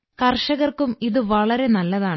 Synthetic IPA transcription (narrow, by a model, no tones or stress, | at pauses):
kɐrʂɐɣɐrkumiðɨʋɐɭɐɾe̞nɐlːɐðaːɳɨ